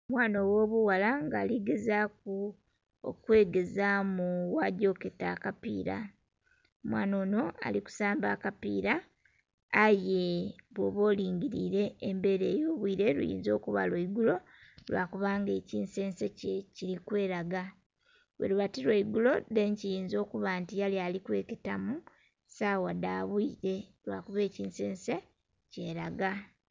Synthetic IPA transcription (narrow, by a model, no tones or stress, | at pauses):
mwaːnowo̞ːβuwalaŋɡaːliɡezak̚u | o̰kwe̞ːɡe̞zamuwaɟo̞ketakapḭːɾa̰ | omwaːno̞ːno̞a̰liku̥saːmbaːkapḭːɾaː | je̞βwoβo̞ːliːɲɟiɾḭːɾe̞ːmbe̞ɾeːjo̞ːβwiːɾe̞ɾṵjḭːnzo̞̰ːkuβa̰lweiɡulo̞ | lwa̰ːkuβaːŋɡe̞ciːnse̞ːnsececiɾikwe̞ːɾaɡa | wḛluβatilweiɡulo̞deɲcijiːnzo̞ːkuβaːntijalialikwe̞̰ːketamu | sawadaβwiɾe̞lwaːkuβe̞ːciːnseːnse̞ | ce̞ːɾaɡa